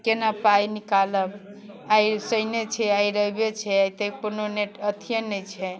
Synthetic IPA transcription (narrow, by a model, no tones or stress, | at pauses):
kenapajnikaləb | ajsəjnet͡ʃʰɛaiɾəbet͡ʃʰɛajt̪əjpunoneʈət̪ʰijənəjt͡ʃʰɛ